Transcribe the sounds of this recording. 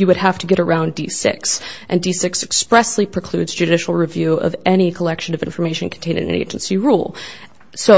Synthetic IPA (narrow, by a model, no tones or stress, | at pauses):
jɨwɨd̚æftʰɨɡɛɾə˞ãʊ̃ndisɪ̰ksʔɨ̃ndisɪksɨkspɹɛslipʰɹ̥ɨkʰl̥ʉdzd͡ʒɨɾɪʃl̩ˠɹivjʉʌ̰vɛɾ̃ikʰəlɛkʃɨ̃nʌvɪ̃ɱfə˞meɪʃɨ̃nkʰn̩tʰẽɪ̃ñɨ̰̃nɨ̰̃nḛɪd͡ʒn̩siɹṵlˠ | soʊ